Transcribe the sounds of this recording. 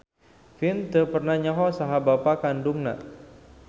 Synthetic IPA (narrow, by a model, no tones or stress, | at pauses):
fɪnt̪əpərnahɲaɦɔsaɦabapakandʊŋna̰ʔ